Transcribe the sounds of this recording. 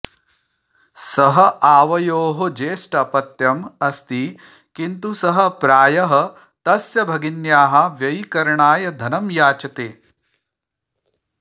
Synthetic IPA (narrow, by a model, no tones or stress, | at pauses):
sɐɦɐ̆ʔaːʋɐjoːɦod͡ʒeːʂʈɐɐpɐt̪jɐmɐst̪i | kint̪usɐɦɐ̆pɾaːjɐɦɐ̆ | t̪ɐsjɐbʱɐɡinjaːɦɐ̆ʋjɐjikɐɾɐɳaːjɐd̪ʱɐnɐmjaːt͡ʃɐt̪eː